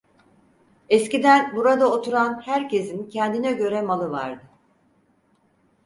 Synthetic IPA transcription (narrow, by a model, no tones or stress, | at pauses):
ɛscid̪ænbuɾad̪aot̪ʰuɾanhæɾce̞zincʰɛnd̪inɛɟø̞ɾɛmalˠɯva̰ɾd̪ɯ